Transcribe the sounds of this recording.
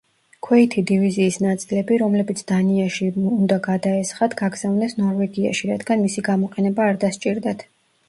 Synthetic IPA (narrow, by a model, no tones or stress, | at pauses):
kʰwɛit̪ʰid̪iviziːsnat̪sʼilɛbiɾɔmlɛbit̪sʰd̪̥aniaʃiund̪aɡad̪aɛsχat̪ʰɡaɡz̥avnɛsnɔɾvɛɡia̰ʃiɾad̪ɡanmisiɡamɔqʼɛnɛbaːɾd̪ast͡ʃʼiɾd̪at̪ʰ